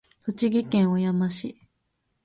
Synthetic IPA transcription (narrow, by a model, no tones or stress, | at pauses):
ɯ̟t͡ɕiɡʲikẽ̞ɰ̃ojamaɕi